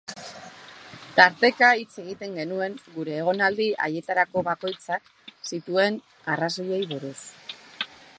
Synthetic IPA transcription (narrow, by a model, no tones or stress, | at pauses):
t̪aɾt̪e̞kait͡se̞ɣ̞it̪e̞ŋɡe̞nue̞ŋɡuɾe̞ːɣ̞o̞nald̪iʔa̰je̞t̪aɾako̞βako̞jt͡sak | sit̪ue̞n | araso̞je̞jβuɾus